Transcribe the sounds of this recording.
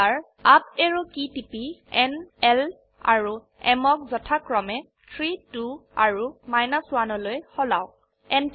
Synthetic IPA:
aɹ | ap̚eɹukitipiɛnɛl | a̰ɹu | ɛmɔk̚zɔtʰakɹɔmɛ | tʰɹitua̰ɹumajnɔswanɔlojhɔlaw | ɛn

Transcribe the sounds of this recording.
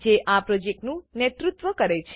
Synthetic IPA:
d͡ʒeʔapɾɔd͡ʒek̚ʈnũnet̪ɾut̪ʋəkəɾet͡ʃʰ

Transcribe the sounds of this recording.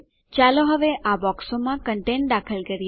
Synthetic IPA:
t͡ʃaloɦəʋeʔabɔksomãkəɳʈeɳ̚d̪akʰəlkəɾj

